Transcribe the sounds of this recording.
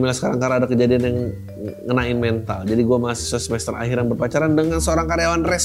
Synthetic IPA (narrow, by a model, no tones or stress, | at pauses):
milasə̥kaɾaŋkaɾaadakəd͡ʒadianjaŋː | ənaɪnmɛnt̪ald͡ʒadiɡuamasi̥səsəmɛst̪əra̰ɦiɾjaŋbərpat͡ʃaɾandəŋansəoɾaŋkaɾjawanrɛs